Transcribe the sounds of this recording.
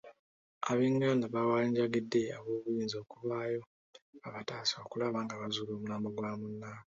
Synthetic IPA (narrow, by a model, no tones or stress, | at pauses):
aβiːŋɡandaβawaːɲɟaɡidːe̞aβo̞ːβujiːnzo̞ːkuβaːjo̞ | aβataːsoːkulaβaŋɡaβazulo̞ːmunaːmboɡwaːmunːaːka